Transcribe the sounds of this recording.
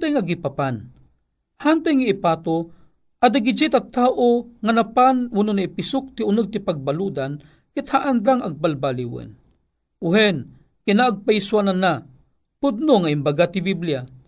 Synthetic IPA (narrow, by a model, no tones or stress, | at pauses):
t̪ajŋaɡipapan | hant̪ajŋaipaːt̪o | ad̪aɡid͡ʒit̪at̪aːʔoŋanapanwʊnonaipɪsʊk̚t̪iʊnɨɡ̚t̪ɪpaɡ̚balud̪an | kɪt̪haʔanlaŋʔaɡ̚balbaliwə̰n | ʊɦɛn | kinaaɡ̚pajswanana | pʊd̪̚noŋaimbaɡat̪ɪbiblija